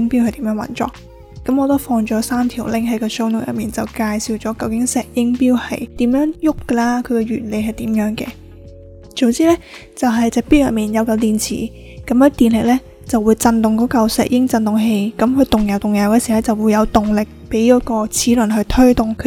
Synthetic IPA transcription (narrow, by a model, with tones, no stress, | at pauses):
ŋpiː˥whɐ˨˩jt̪iː˨˥mjœː˨˥ŋwɐ̰˨˥nt͡ʃɔ̰ː˨˩k̚ː | ɐ˨˧˥mɔː˨˧t̪o˥wfɔː˧ŋt͡ʃɔː˨˥saː˥mt̪ʰiː˨˩wlɪ˨˥ŋɦɐ˨˥jkɔː˧so˧˥wnʊ˨˩jɐ̰˨˩miː˨˩nt͡sɐ˨wkaː˧jsiː˨wt͡sɔː˨˥kɐ˧wkɪ˨˥ŋsɛː˨˩k̚jɪ˥ŋpiː˥whɐ̰˨jt̪iː˨˥mjœː˨˥ŋjʊ˥kːə˧laː˥kʰɵ˨˧ɥkɛ˧ɥyː˨˩nle˨˧jɦɐ˨jt̪iː˨˥mjœː˨˥ŋkɛ̰ː˧ | t͡so˨˧wt͡siː˥lɛː˥ | t͡sɐ˨wɦɐ˨˩jt͡sɛː˨˩k̚piː˥wjɐ̰˨t̚miː˨˩njɐ˨˧wkɐ˧wt̪iː˨˩nt͡sʰḭː˨˩ | kɐ˨˥mkɐ˧˥t̪iː˨˩nlɪ˨k̚lɛː˥ | t͡sɐ˨˩wuː˨˧jt͡sɐ˧nt̪ʊ˨ŋkɔː˨˦˥kɐ˧wsɛ̰ː˨k̚jɪ˥ŋt͡sɐ˧nt̪ʊ˨ŋɦe˧jkɐ˨˥mkʰɵ˨˧t̪ʊ˨ŋjɐ˨wt̪ʊ˨˩ŋjɐ˨wkɛː˧si˨˩wlɛː˥t͡sɐ˨wuː˨˧jɐ˨˧wt̪ʊ˨ŋlɪ˨k̚pe˨˥jjɐ˨˥kɔː˧t͡sʰiː˨˥lɵ˨˩nɦɵ˧t̪ʰɵ˥t̪ʊ˨˩ŋkʰ